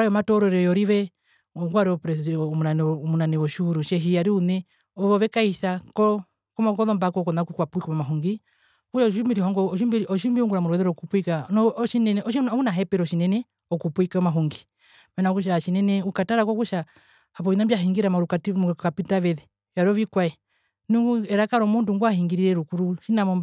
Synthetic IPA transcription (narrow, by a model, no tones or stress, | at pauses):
ɔɾajɔmatɔɾɔɾɛjɔɾiʋɛ | ɔŋɡaɾɛɔpɾɛmunanmunanɛɔʃuɾuʃɛɦijaɾiunɛ | ɔɔʋɛkaiʃakɔ | kɔmɔkɔðɔmbakɔkɔnakukwapuikɔmamaɦuŋɡi | kuʃaʃʃumiɾihɔŋɡɔɔʃimbiɾɔʃiumbiuŋɡuɾamuɾɔwɛðɛɾɔkupuikanɔʃinɛnɛɔʃihunaɦɛpɛɾɔʃinɛnɛ | ɔkupuikaɔmaɦuŋɡi̥ | manaɔkuʃaʃinɛnɛukataɾakɔkuʃa | hapɔinambiaɦiŋɡiɾamaɾukamkapitaʋɛðɛ | jaɾɔβikwaɛ | nuŋɡuɛɾakaɾɔmunduŋɡuahiŋɡiɾiɾɛɾukuɾuʃinamɔm